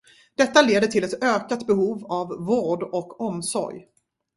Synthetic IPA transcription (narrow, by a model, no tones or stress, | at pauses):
d̪̥ɛt̪ːaleːd̪əʈʰɪlɛt̪øːkat̪bɛɦuːvavːoːɖɔkʰːɔmsɔ̰ɾj